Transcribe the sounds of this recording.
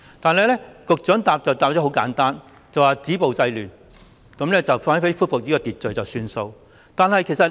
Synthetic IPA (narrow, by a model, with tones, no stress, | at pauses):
t̪aː˨nhɐ˨jlɛː˥kʊ˨k̚t͡ʃœː˨˥ŋt̪aː˨p̚t͡sɐ˨wt̪aː˨p̚t͡ɕɔ˨˥ho˨˥wka̰ː˨˥nt̪aː˥n | t͡sɐ˨waː˨˩t͡siː˨˥po˨wt͡sɐ˧jlyː˨˩n | kɐ˨˧˥mlɛː˥t͡sɐ˨wfaː˥fe˨˥jfuː˥tfʊ˨k̚jiː˥kɔː˧t̪iː˨t̚t͡ʃɵ˨ɥt͡sɐ˨wsyː˧nso˧w | t̪aː˨nɦɐ˨jkʰe˨˩jsɐ˨t